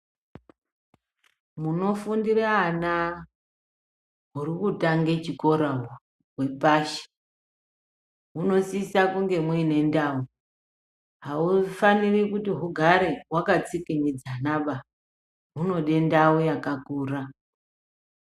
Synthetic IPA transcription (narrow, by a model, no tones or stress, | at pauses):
muno̞fundiraana | ɦurikutaŋɡet͡ʃiko̞ɾa | ɦwe̞paʃe̥ | ɦuno̞siːsakuŋɡe̞mwiine̞ndau | ɦaufanirikutiɦuɡʱaɾeɦwakat͡sikeɲid͡zanaɓa | ɦuno̞ɗe̞ndaujakakuːra